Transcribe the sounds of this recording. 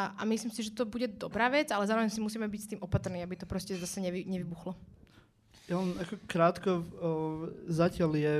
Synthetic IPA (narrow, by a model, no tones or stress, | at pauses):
ʔa̰misliːmsiʒɛt̪ɔbuɟɛd̪ɔbɾaːʋɛd͡zalɛzaːɾɔʋɛɲs̬imusiːmɛbicst̪iːmʔɔpat̪rniːabit̪ɔpɾɔscɛzasɛɲɛʋiɲɛʋibuxlɔ | jalɛnakɔkɾaːt̪kɔ | zacɪaljɛ